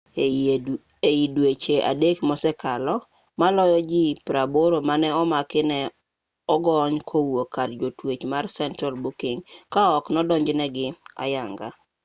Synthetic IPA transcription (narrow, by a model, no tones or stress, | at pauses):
eidwet͡ʃeʔa̰dekmɔsɛkalɔ | malɔjɔd͡ʒɪpɾaboɾomanɛɔmakɪnɛ | ɔɡɔɲkʰowokadd͡ʒotwet͡ʃmarsɛntɾalbokeŋkaɔknɔdɔɲd͡ʒnɛɡɪa̰jaŋɡa̰